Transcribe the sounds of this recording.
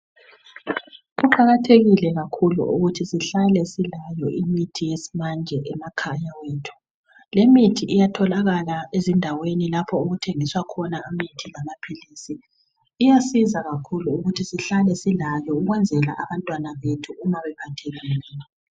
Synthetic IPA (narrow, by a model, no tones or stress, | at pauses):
ɣuǃaɣatʰeɣilɛɣakʰulṵʔṵɣutʰisiɬalɛsilajɔʔimitʰijesi̥mand͡ʒʱɛʔɛmakʰajaweːtʰu̥ | lemitʰiʔijatʰɔlaɣalaezindʱawenilapʰɔuɣutʰeŋiswakʰɔnaamitʰilamapʰiliːsiː | jasizaɣakʰuluuɣutʰisiɬalɛsilajɔuɣwɛnd͡zʱɛla̰ʔaβantʼwanaβetʰuːmaβɛpʰatʰeɣinːna